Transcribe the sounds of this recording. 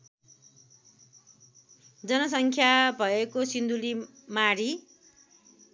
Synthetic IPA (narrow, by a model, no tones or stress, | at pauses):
d͡zʌnʌsʌŋkʰjabʱʌekosind̪uli | maɾi